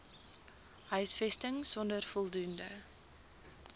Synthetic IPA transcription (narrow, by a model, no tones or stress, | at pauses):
hœɥsfɛstəŋsɔndərfɔlˠdundə